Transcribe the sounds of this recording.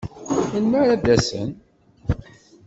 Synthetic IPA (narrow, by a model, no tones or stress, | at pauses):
inməɾæðæsə̰n